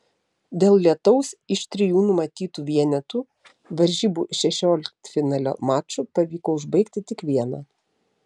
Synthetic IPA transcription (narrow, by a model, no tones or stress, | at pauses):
d̪ʲeːlˠlʲiɛt̪ɔʊsɪʃt̪ʲɾʲɪjuːnʊmɐt̪ʲiːt̪uːʋʲiɛnʲɛt̪uː | ʋɐɾʲʒʲiːbuːʃʲɛʃʲoːlʲɪkt̪fʲɪnɑːlʲo̰ːmɑːt͡ʃʲuːpɐʋʲiːkoːʊʒbɐɪkt̪ʲɪt̪ʲɪkʋʲiɛnɑː